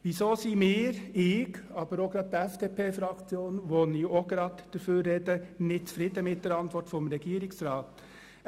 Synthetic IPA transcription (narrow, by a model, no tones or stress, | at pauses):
ʋisoːsiːmɪːɾɪɡɑːbəɾoɡ̥ɾɑːd̪̚ɛfd̪̥epʰeːfɾɑkt͡sjoːnʋoniːoɡ̥ɾɑːdd̪̥ɛɾføːɾːeːd̪ənɪt͡sfɾɪd̪əmɪt̚d̥ɛɾɑnt̪ʋɔɾtfɔmɾɛɡiːɾɪksɾɑːt̪